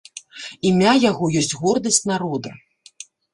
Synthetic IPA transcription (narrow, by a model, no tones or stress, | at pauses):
imʲajaɣɔjɔsʲt͡sʲɣɔrd̪ɐsʲt͡sʲnaɾɔd̪ɐ